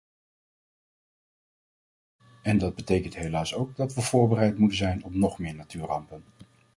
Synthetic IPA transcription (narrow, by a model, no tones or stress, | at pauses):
ɛndɑd̚bətejkəntɦejlaːsowɡ̚dɑtʋəv̥ʊːɹbərɛjtmutənzɛjnɔpnɔχmɪːɹnatyːɹrɑmpən